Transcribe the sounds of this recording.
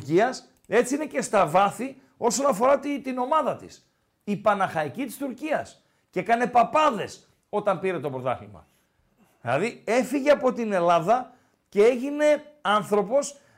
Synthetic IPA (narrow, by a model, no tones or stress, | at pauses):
ciɐs | e̞t͡siine̞ce̞st̪ɐvɐθi | o̞so̞nɐfo̞ɾɐt̪it̪ino̞mɐðɐt̪ḭs | ipɐnɐxɐicit̪i̥st̪uɾciɐs | cekɐne̞pɐpɐðe̞s | o̞t̪ɐmpiɾe̞t̪o̞pɾot̪ɐ̰ximɐ̰ | ðilɐ̰ðie̞fiʝe̞ɐpo̞t̪ine̞lɐðɐ | ce̞e̞ʝine̞ɐnθɾo̞po̞s